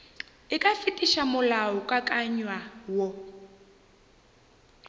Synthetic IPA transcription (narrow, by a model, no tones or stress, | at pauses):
ikʼafitʼiʃamʊlaɔkʼakʼaɲwawɔ